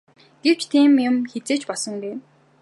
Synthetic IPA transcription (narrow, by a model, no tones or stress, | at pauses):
ɡ̥ew̥t͡ɕt̪ʰiːmjʊmxet͡seːt͡ɕpɔɮsɞ̆ŋɡeː